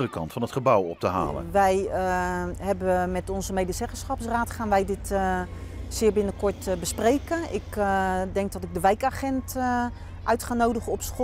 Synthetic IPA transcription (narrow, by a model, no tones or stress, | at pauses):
ərəkɑ̰ntfɑnətχəbawɔ̰p̚təɦa̰ːlə̰ʋɛj | hɛbəmɛtɔnzəmejdəsɛχəsχɔpsraːtχaːnʋɛjdɪt | sɪːbɪnəkʊɹtbəsprejkəɪ̰kdɛŋk̚dɔtɪɡ̚dəʋɛjkaχɛnt | ʔœɥtχaːnowdəχəɔpsxo